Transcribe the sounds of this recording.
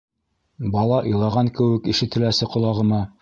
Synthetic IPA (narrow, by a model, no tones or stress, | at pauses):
bɑlˠɑʔɤ̆jlˠɑʁɑŋkɘ̆wɘkiʃɘ̆t̪ɘ̆læsɘqŏlˠɑʁɤ̆mɑ